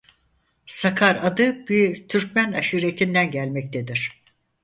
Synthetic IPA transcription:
sakʰaɾad̪ɯbit̪ʰyɾc̚mænaʃɯɾet̪ʰind̪ænɟælʲmɛc̚t̪ʰed̪iɾ̝̥

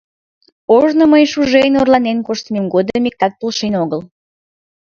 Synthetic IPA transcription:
oʒnoməjʃuʒejnorlɑnenkoʃt̪ənemɡod̪əmik̚t̪ɑk̚pulʃenoɣəl

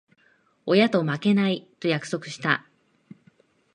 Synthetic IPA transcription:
ojat̪o̞make̞nait̪o̞jakɯ̟̥so̞kɯ̟̥ɕi̥t̪a̰

